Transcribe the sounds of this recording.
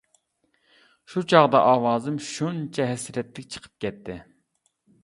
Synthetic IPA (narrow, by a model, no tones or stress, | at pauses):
ʃut͡ʃʰɑʁd̪ɑʔɑːwɑːzɨmʃunt͡ʃʰɛɦɛsɾɛt̪lɪkʲt͡ʃʰə̥qʰə̥p̚kʲɛt̪ʰːɪ